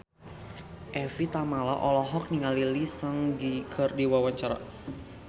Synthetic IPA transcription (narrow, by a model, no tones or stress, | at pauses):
ʔɛfit̪amala̰ʔɔlɔɦɔk̚niŋalilisəŋɡikʰərdiwawaɲt͡ʃaɾa̰